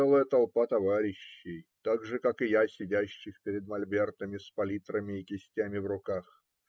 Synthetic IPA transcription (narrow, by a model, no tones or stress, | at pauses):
ɛlˠəjət̪ɐlˠpat̪ɐvaɾʲɪɕːɪjt̪aɡʐɨkakɨjasʲɪdʲæɕːɪxpʲɪɾʲɪd̪mɐlʲbʲert̪əmʲɪspɐlʲit̪ɾəmʲɪɪkʲɪsʲtʲæmʲɪvrʊkax